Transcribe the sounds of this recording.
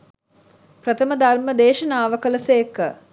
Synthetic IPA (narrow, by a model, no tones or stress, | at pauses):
pɾət̪ʰəməd̪arməd̪eːʃənaːʋəkələsəjːkːə